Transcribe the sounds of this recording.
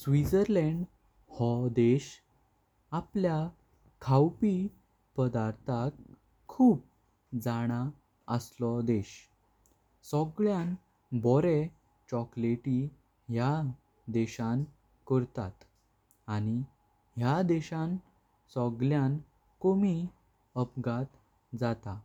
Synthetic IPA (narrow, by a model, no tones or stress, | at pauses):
sʋit͡səɾlɛ̃ɳɖ | hɔd̪eɕ | aplja | kʰawpi | pəd̪aɾt̪ʰakʰː | uːp̚ | d͡zaɽ̃a | əslɔd̪eɕ | sɔɡɭjan | bɔɾe | t͡ɕɔkleʈi | ɦja | d̪eɕan | kɔɾt̪at̪ | añi | ɦjad̪eɕãn | sɔɡljan | komi | əpɡat̪ | d͡zat̪a